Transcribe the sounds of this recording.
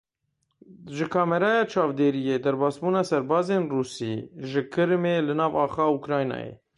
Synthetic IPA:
ʒɪkʰɑːmɛɾɑːjɑːt͡ʃʰɑːvd̪eːɾijeːd̪ɛɾbɑːsbuːnɑːsɛɾbɑːzeːnruːsḭːʒɪkʰɨɾmeːlɨnɑːvɑːxɑːukɾɑːjnɑ̰ːjḛ

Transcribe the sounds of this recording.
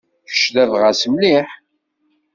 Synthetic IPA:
fə̥ʃðæðʁasəmliħ

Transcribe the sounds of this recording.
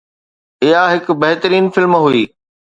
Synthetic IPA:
ɪɦaɦɪk̆bɐɦt̪əɾiːnfɪlmɦuiː

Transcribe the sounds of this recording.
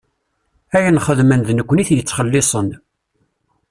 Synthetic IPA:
æjənχəðmənðnəkʷːniθjət͡sːχəlːɪsˤən

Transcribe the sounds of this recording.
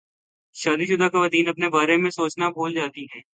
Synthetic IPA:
ʃaːd̪iʃʊd̪akaʋɐt̪iːnɐpnebaːɾemẽsoːt͡ʃnabʱoːld͡ʒaːt̪iɦɛː

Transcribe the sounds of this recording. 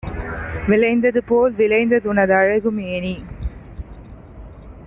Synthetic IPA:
ʋɪlɐɪnd̪ɐðɯpoːlʋɪlɐɪnd̪ɐðʊnɐðɐɻɐɣɯmeːni

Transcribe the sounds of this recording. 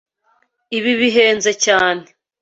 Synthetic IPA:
iβiβiɦeːnzecaːne

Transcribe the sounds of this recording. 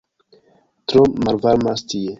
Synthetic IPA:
tɾomalvaɾmastie

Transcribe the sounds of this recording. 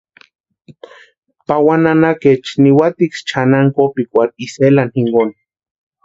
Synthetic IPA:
pawananaket͡ʃniwat̪ikt͡ʃʰanaŋkopikʷakiselanhiŋɡon

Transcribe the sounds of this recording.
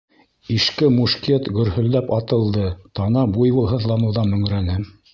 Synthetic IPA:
iʃkɘmuʃket̪ɡɵ̆ɾhɵ̆lːæpɑt̪ɤ̆lˠd̪ɤt̪ɑnɑbujβɤ̆lˠɦɤ̆ðlˠɑnɤ̆wðɑmɵ̆ŋɾænɘ

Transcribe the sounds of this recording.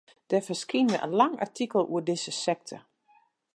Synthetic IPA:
d̥ɛfəskinjəʔə̰nlɑŋa̰ɹtʰikəl̩ˠṵːədɪsəsɛk̚tʰə̰

